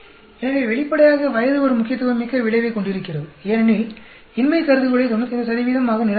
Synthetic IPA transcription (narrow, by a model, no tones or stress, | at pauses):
ɛnɐʋeʋɛɭɪpːɐɽɐjaːɣɐʋɐjɐðɯɔɾɯmʊkːɪjɐt̪̬ːɯʋɐmːɪkːɐʋɪɭɐɪʋɐɪkːɔɳɖɪɾɯkːɪrɐðɯeːnɐni | ɪnmɐɪkɐɾɯðɯɣɐɭɐɪt̪ːɔnːɐtɪnɐsɐðɪʋiːðɐmaːɣɐnɪɾɐ